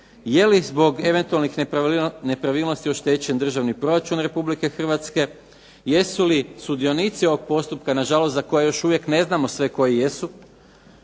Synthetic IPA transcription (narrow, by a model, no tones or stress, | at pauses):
je̞lizbo̞ɡe̞ʋe̞nt̪ualnixne̞pɾaʋiːlˠnost̪io̞ʃt̪et͡ɕe̞nd̪r̩ʒaʋnipɾo̞ɾat͡ʃunɾe̞publike̞xr̩ʋat̪ske̞ | je̞sulisud̪io̞nit̪sioʋo̞ɡ̚po̞st̪upkanaʒalo̞st̪zako̞jajo̞ʃuʋje̞kne̞znamo̞sʋe̞ko̞jijesu